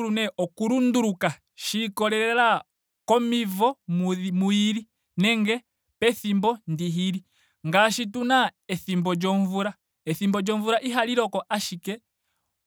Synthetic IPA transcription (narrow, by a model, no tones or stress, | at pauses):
ɾunɛʔɔkuɾunduɾuka | ʃikɔɾɛɾɛɛla | kɔmivɔmmuiɾi | nɛŋɡɛ | pɛθimbɔndiɦiɾi | ŋɡaʃitunaɛθimbɔd͡ʒɔɱvuɾa | ɛθimbɔd͡ʒɔɱvuɾaʔiɦaliɾɔkɔʔaʃikɛ